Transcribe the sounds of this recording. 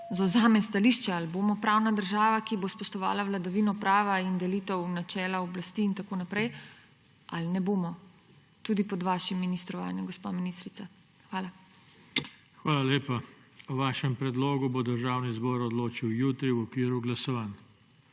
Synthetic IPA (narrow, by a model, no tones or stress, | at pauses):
zawzaːmɛnst̪aliːʃt͡ʃɛalboːmɔpɾaːwnad̪əɾʒaːʋakibospɔʃt̪ɔʋa̰ːlawlad̪aʋiːnɔpɾaːʋaind̪ɛliːt̪ɛwnat͡ʃɛːlaɔblast̪iːnt̪akoːnapɾɛj | alnɛboːmɔ | t̪uːd̪ipɔd̪ʋaːʃimːinist̪ɾɔʋa̰ːnjaɡɔspa̰ːminist̪ɾit̪sa | xʋaːla | xʋaːlaleːpauʋaːʃɛmpɾɛd̪loːɡubod̪əɾʒaːwnizbɔːɾɔd̪loːt͡ʃiwjuːt̪ɾiwɔkʋiːɾuɡlasɔʋaːn